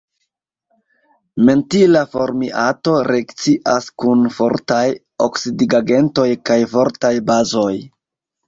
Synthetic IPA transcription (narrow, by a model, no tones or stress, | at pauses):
me̞ntilafo̞ɾmiʔato̞ɾe̞kt͡siʔaskunfo̞ɾtaj | o̰ksidiɡaɡe̞nto̞jkajfo̞ɾtajbazo̞j